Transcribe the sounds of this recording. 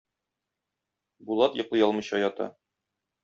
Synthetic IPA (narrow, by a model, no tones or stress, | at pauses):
bulˠɑt̪jŏqlˠɤjɒlˠmɤ̆jɕɑjɒt̪ɑ̰